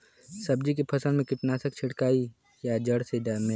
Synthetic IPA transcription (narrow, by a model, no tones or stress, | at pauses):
sɐb̚d͡ʒik̬epʰɐsəlmẽkɪʈnaːsək̚t͡ʃʰɪɽkaːi | jad͡ʒəɽsed̪ame